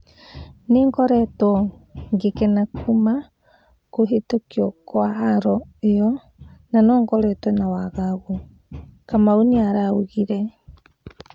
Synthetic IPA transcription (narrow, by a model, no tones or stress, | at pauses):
neŋɡɔɾɛtɔŋɡekɛnakuma | koɦetokiɔkwaɦaɾɔeɔ | nanɔːŋɡɔɾɛtwɔnawaɣaɣu | kamaoniaɾaoɣiɾɛ